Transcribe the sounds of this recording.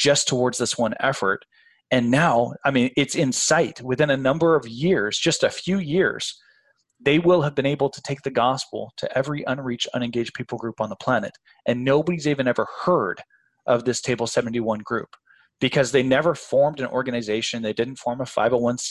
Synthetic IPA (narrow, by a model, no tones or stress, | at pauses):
d̥ʒ̥ʌstʰəwɔɹdzðɪswʌ̃nɛ̰fə̰˞ɾ | ɨ̃nːaʊaɪmĩnɪtsɨ̃nsaɪt̚wɨθɪ̃nɨnʌ̃mbə˞ʌvjɪɹzd͡ʒʌstɨfjʉjɪɹz̥ | ðeɪwɪlˠɨvbɨ̃ñeɪbl̩ˠtʰɨ̥tʰeɪk̚ðɨɡɑspl̩ˠtʰɨ̰ʔɛvɹiʔə̃nɹit͡ʃʌ̰̃ñɨ̃nɡeɪd͡ʒ̥pʰipl̩ˠɡɹʉpn̩ðəpʰl̥ænɨ̰ɾ | ʔɨ̃nːoʊbəɾiziɪvɨ̃nɛvə˞hɜ˞ɾ | ʔʌvðɪstʰeɪbl̩ˠsɛvn̩tiwʌ̃nɡɹʉp | b̥ɨkʰʌzðeɪnɛvə˞fɔɹmdɨ̃nʔɔ̰ɹɡɨnɨzeɪʃɨ̃nðeɪdɪdⁿn̩tfɔɹməfa̰ɪvə˞wʌ̃ns